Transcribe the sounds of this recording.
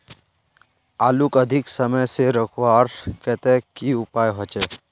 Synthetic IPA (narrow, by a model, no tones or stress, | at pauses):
aːlukəd̪ʱɪksəməjseɾəkʰwaːɾkɛt̪ɛkiʊpaːjɦɔt͡ʃɛ